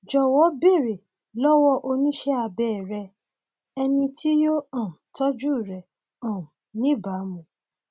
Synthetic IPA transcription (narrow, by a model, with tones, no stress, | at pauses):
d͡ʒɔ˨wɔ˨˦be˦˨ɾe˨ | lɔ˦wɔ˦ʔo˧nĩ˦ʃɛ˦a˧bɛ˦˨ɾɛ˧ | ɛ˧nĩ˧tʰi˦jo˦ã˦˨tʰɔ˦d͡ʒu˦˨ɾɛ˨ | ã˨nĩ˦˨ba˨˦mũ˨